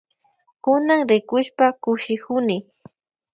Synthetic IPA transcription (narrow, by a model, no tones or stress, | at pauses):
kʊnaŋɾɪkʊʃpakʊʃɪkʊnɪ